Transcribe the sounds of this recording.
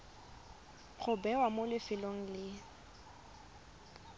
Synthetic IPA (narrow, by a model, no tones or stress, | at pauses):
χʊbɛwamolɪfɪloŋ̩lɪ